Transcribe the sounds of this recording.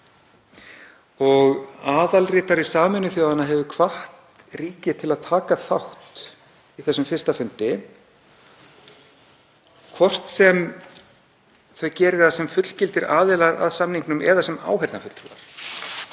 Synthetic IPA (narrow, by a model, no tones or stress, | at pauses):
ɔɣaːðalrɪːt̪aɾisaːmʏnːʏθjoːwðanaɦɛvʏkʰvaht̪ | riːcɪt̪ʰɪlaðt̪ʰaːkaθaht̪ | iθɛsːʏmfɪr̥st̪afʏnt̪ɪ | kʰvɔr̥t̪sɛm | θœɥcɛːɾɪθasɛmfʏt̪l̥cɪlt̪ɪɾa̰ːðɛːlaɾa̰ðsamniŋknʏmɛ̰ðasɛma̰ːwɦɛɾt̪nafʏt̪la̰ɾ̥